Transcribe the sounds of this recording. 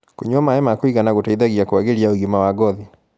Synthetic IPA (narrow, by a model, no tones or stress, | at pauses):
koɲwɔmaɛmakwiɣanaɣotaiðaɣjakoaɣeɾiaoɡimawaɡɔði